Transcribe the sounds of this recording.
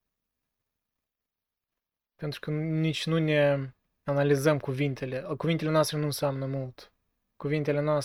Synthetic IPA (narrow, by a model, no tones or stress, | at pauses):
pent̪ɾukənit͡ʃnunʲe | analizɐmkuvint̪eleəkuvint̪elʲenast̪ɾenunsamnəmulˠt̪ | kuvint̪elenas